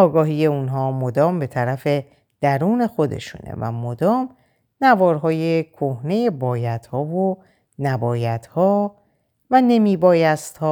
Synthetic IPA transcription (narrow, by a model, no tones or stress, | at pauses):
ɒːɡɒːɦiːje̞unɦɒːmod̪ɒːmbe̞t̪ʰæɾæfe̞ | d̪̥æɾuːne̞xo̞d̪e̞̰ʃṵnḛvæ̰mod̪ɒːm | nævɒːɾɦɒːje̞kʰohne̞je̞bɒːjæd̪̥hɒːvo | næbɒːjæt̪hɒː | væne̞miːbɒːjæst̪hɒː